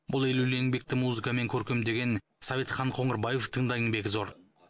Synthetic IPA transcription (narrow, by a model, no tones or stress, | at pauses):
bʊlˠeluleeŋbe̞k̚t̪ɪmuzɨkame̞ŋkʲʰɵɾkʲe̞md̪e̞ɡʲe̞n | sɑvet̪χɑɴqʰo̞ɴəɾbɑje̞ft̪ʰəɴd̪ɑjəŋbe̞kʲzo̞ɾ